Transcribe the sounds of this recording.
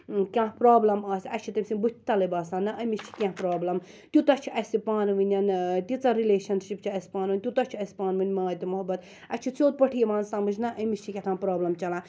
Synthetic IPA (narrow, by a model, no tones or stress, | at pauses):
kʲãːɦpɾaːblɐmaːsʲɐt͡ʃʰit̪ɐmʲsʲinbut̪ʲʰt̪ɐlɐbaːsaːnːɐʔɐmist͡ʃʰi̥kʲãhpɾaːblɐm | t̪ʲut̪ɐt͡ʃʰiʔɐsʲipaːnʋɨnʲɐnt̪ʲit͡sɐɾileːʃɐnʃipt͡ʃʰiɐsʲpaːnʋɨnʲt̪ʲut̪ɐt͡ʃʰiɐsʲpaːnʋɨnʲmaːt̪ʲimuɦɐbːɐt̪ | ɐt͡ʃʰit͡soːt̪̚pɐʈʰijʋaːnsamɨt͡ʃʰnɐʔɐmist͡ʃʰikʲɛt̪ʰãːnpɾaːblɐmt͡ʃɐlãː